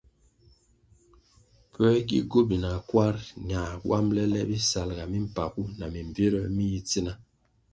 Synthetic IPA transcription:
pə˦ɡḭ˦ɡo˦bi˨na˨kwa˦ɾɲa˨wʔa̰˦mlɛ˦lɛ˦bi˦sa˨lɡa˨mi˦m̩˨pa˨ku˦na˨mi˨ɱ˨ve˦ɾə˦mi˦ji˦ti˦na˦

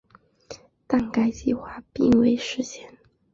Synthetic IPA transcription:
t̪a˥˩nka˥ɪt͡ɕi˥˧xwa˥˩pi˥˩ŋwe˥˩ɪʂɻ̩˥˧ɕjɛ˥˩n

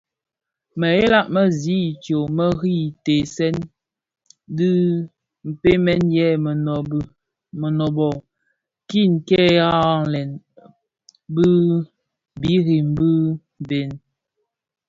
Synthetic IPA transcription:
mə˨e˦la˦˨ʔmə˦zi˨˦˨tjo˨mə˦ɣi˦˨te˨sɛ˦n | dɨ˦ | m̩˨pe˦mɛ˦njɛ˦˨ | mə˨nɔ˨bɔ˨ | ki˦˨ŋ˨kɛ˦ja˦˨lɛ˨n | bɯ˦ | bi˨˦ɣi˨m˦bɨ˦m˨be˨n

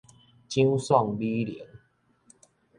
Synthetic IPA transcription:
t͡ɕĩ˦wsɔ˥˨ŋbi˦lḭ˨˦ŋ

